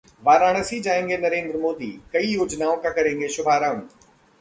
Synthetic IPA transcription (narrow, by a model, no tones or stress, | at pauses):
ʋaːɾaːɽ̃əsid͡ʑaːẽŋɡenɐɾẽːnd̪ɾəmoːd̪ḭkɐijoːd͡ʑnaːõkãkɐɾẽːŋ̆ɡeʃʊbʱaːɾãːn